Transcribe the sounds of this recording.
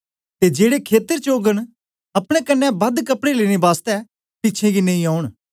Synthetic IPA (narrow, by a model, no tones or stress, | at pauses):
t̪ed͡ʒeːɽekʰeːt̪əɾt͡ʃoːɡəɽ̃ | ɐpɽ̃ekɐnːɛbɐd̪kəpɽeleːɽ̃ebaːst̪ɛ | pɪt͡ʃʰẽɡinɐ̃ĩaːʊɳ̃